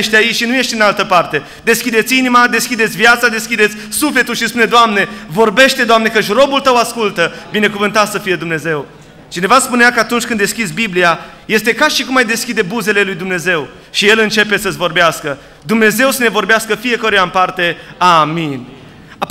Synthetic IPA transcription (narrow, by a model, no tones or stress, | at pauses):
eʃt̪ait͡ʃʃinuje̞ʃt̪ɨnalt̪əpart̪e̞ | d̪e̞skʲid̪et̪sʲinimad̪e̞skʲid̪et̪sʲvjat̪sad̪e̞skʲid̪e̞t̪sʲsufle̞t̪ulʃispuned̪oamne̞vo̞rbe̞ʃt̪e̞d̪oamne̞kəʃʲro̞bult̪əwaskult̪əbine̞kuvɨnt̪at̪səfije̞d̪umne̞ze̞w | t͡ʃine̞vaspuneakəat̪unt͡ʃʲkɨnd̪e̞skʲisbiblia | je̞st̪e̞kaʃikumajd̪e̞skʲid̪e̞buze̞le̞lujd̪umne̞ze̞w | ʃije̞lɨnt͡ʃe̞pe̞səsʲvo̞rbeaskə | d̪umne̞ze̞wsənevo̞rbeaskəfije̞koɾeampart̪e̞amin | a